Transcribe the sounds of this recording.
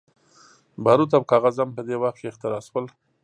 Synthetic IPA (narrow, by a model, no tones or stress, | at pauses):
bɑɾut̪awkɑɣazampəd̪ewaxt̪̚keːxt̪ɪɾɑswəl